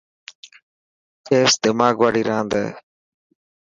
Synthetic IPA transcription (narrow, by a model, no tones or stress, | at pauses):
t͡ʃeːsd̪ɪmaːɡʋaːɽiːɾãːnd̪ḛː